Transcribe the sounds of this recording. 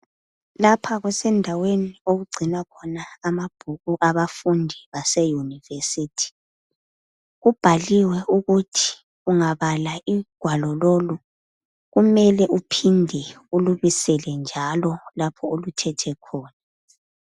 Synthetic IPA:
lapʰaɣwɛsɛndʱawenioɣuɡ͡ǀʱinakʰɔnaːmab̥ʱuɣuʔaβafundʱiβasɛjunivesitʰi̥ | ɣub̥ʱaliwɛuɣutʰi̥ | uŋaβalaiɡ̥ʱwalɔlolu | ɣumɛlɛʔupʰindʱɛ | uluβisɛlɛnd͡ʒʱalɔlapʰɔolutʰɛtʰɛkʰɔːna

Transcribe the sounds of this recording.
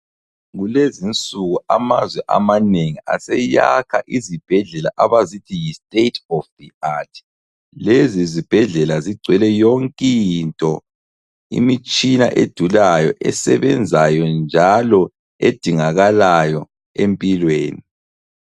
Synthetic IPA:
ɣulezint͡sʼuɣua̰mazwɛʔa̰maneŋiʔa̰sɛja̰kʰaʔizib̥ʱɛɮɛla̰ʔaβazitʰijistʼetʰɔfðiatʰ | lezizib̥ʱɛɮɛlaziɡ͡ǀʱwɛlɛjoŋkʼintʼɔ | ḭmit͡ʃʼinaʔed̥ʱulajɔʔɛsɛβɛnd͡zʱajɔnd͡ʒʱalɔ | ed̥ʱiŋaɣalajɔ | empʼilweːni

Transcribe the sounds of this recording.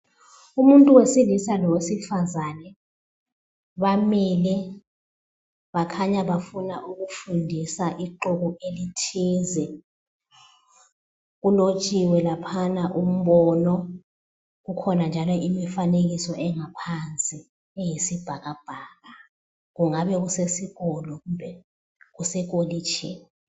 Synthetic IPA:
umuntʼuwesilisalɔwesifazanɛ | ɓamilɛ | ɓakʰaɲaɓafunaʔuk̬ufundʱisaʔiǃuk̬uʔelitʰiːzɛ | k̬ulot͡ʃʼiwɛlapʰanaʔum̩ɓɔnɔ | k̬ukʰɔnand͡ʒʱalɔʔimifanek̬isɔʔɛŋapʰant͡sʼi | ɛjisib̥ʱak̬ab̥ʱaːka | k̬uŋaɓɛk̬usesik̬ɔlɔkubʱɛ | k̬usɛk̬oliːt͡ʃʰɛn

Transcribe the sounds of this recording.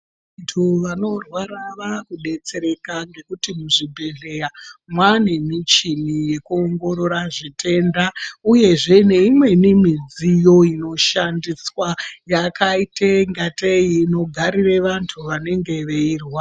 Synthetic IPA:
ʋ | antʰuʋano̞rwaɾaʋakuɗe̞t͡se̞ɾe̞kaŋɡe̞kutimuʐibʱe̞ɮe̞ramwane̞mit͡ʃinijekuoŋɡo̞ɾo̞ɾaʐitʰe̞ndauje̞ʐe̞ne̞imwe̞nimid͡zijo̞ino̞ʃandiswajakaiteŋɡatejino̞ɡʱaɾireʋantʰuʋane̞ŋɡe̞ʋe̞irwa

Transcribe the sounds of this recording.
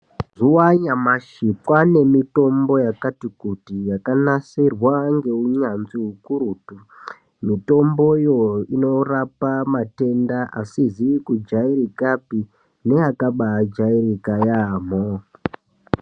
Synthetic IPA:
ʐuwaɲamaʃipwane̞mito̞mbo̞jakatikutijakanasirwaŋɡe̞uɲanziɦukuɾuːtu | mito̞mbojoino̞rapamate̞ndaʔasiziikud͡ʒaiɾikapi | ne̞akaɓaːd͡ʒaiɾikajamo

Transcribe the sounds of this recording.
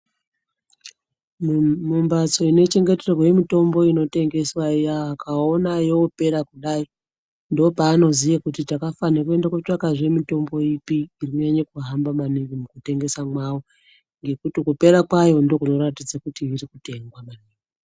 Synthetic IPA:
mumbat͡so̞ine̞t͡ʃe̞ŋɡe̞terrwje̞mito̞mbo̞ino̞te̞ŋɡe̞swaijaːkʰao̞najeope̞ɾakuɗai | ndo̞paːno̞zijekutitakafanakue̞ndaket͡ʂakaʐe̞mito̞mbo̞ipiːrikuɲaɲakuɦambamaniβimukute̞ŋɡe̞samwawo̞ | ŋɡe̞kutikupe̞ɾakwajo̞ndo̞kuno̞ɾatid͡zakutiirikute̞ŋɡwamaniːi

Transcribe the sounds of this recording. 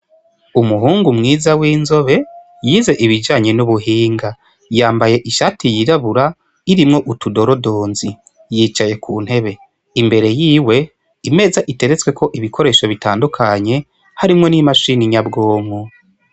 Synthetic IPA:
umuɦuːŋɡumŋiːzawiːnzo̞βe̞ | jize̞ʔiβid͡ʒaːɲe̞nuβuɦiːŋɡa | jaːmbaje̞ʔiʃatʰijiɾaβuɾa | iɾimŋo̞ʔutudo̞ɾo̞do̞ːnzi | jiːt͡ʃaje̞kʰuːn̥he̞βe̞ | imbe̞ɾe̞jiːwe̞ | ime̞ːzaʔite̞ɾe̞t͡swe̞kʰo̞ʔiβikʰo̞ɾe̞ːʃo̞βitaːndukʰaɲe̞ | haɾimŋo̞nimaʃiniɲabɡo̞ːmu

